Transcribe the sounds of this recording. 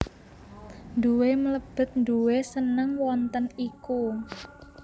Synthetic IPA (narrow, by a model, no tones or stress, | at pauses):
nd̪uwemələb̥ə̤t̪̚nd̪uwesənəŋwɔnt̪əniku